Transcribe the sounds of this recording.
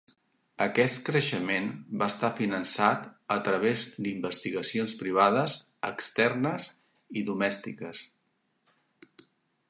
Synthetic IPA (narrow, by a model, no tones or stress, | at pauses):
əkɛst̪kɾəʃəmenbaəst̪afinənsat̪ət̪ɾəβ̞ezd̪imbəst̪iɣəsionspɾiβ̞aðəz | ə̰kst̪ɛrnəz | iðumɛst̪ikəs